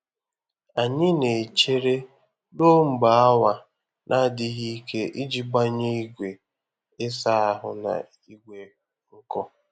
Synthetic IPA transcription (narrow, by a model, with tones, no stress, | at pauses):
a˨ɲɪ˦ne˨t͡ʃe˦ɾe˦ | no˦ŋ͡m̩˨ɡ͡ba˨a˦wa˦ | nʔa˦dɪ˦ɦi˦i˦ke˦ʔi˦d͡ʒi˦ɡ͡ba˦ɲe˦i˦ɡʷe˨ | ɪ˦sa˦a˦ɦʊ̰˨na̰˨ | i˦ɡʷe˨ | ŋ̩˦kɔ˦